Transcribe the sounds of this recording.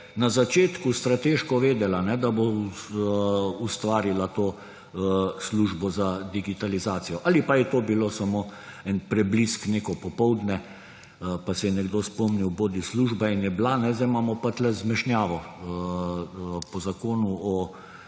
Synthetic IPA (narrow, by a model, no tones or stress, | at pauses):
nazat͡ʃeːt̪kust̪ɾat̪eːʃkɔʋeːd̪ɛlanɛd̪abo | ust̪ʋaːɾilat̪oː | sluʒbɔzad̪iɡit̪alizaːt̪sijɔʔalipajɛt̪oːbilosamoː | ɛnpɾɛbliskneːkɔpɔpɔwd̪nɛ | pasɛjɛnɛɡd̪ospɔmniwboːd̪isluʒbainjɛblanɛzd̪aɪmaːmɔpat͡ʃlɛzmɛʃnjaːʋɔ | pɔzakoːnuɔ